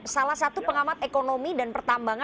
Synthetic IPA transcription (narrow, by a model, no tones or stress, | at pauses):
salahsat̪upəŋamat̪̚ekonomidanpərt̪ambaŋa